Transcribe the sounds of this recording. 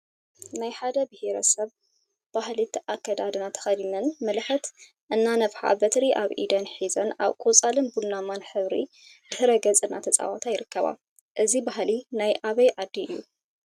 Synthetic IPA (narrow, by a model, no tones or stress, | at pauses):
najħad̪ɐbɨheɾɐ̰sɐβ | b̥ahlit̪ʰʔakʰːɐd̪ad̪ɨnat̪ʰɐ̥xɐd̪inɐnmɨlħɨt̪ | ʔɨnːanɐfħa̰bɐt̪ʰɾiʔaβʔḭd̪ɐnħizɐna̰βkʼot͡sʼalɨnbunːamanħɨβɾḭ | dɨhɨɾɐɡɐt͡sʼɨnːa̰t̪ʰɐt͡sʼa̰wat̪ʰajɪɾɨkːɐβa̰ | ʔɨzibaɦlinajʔaβɐjʕad̪ːiɨjːu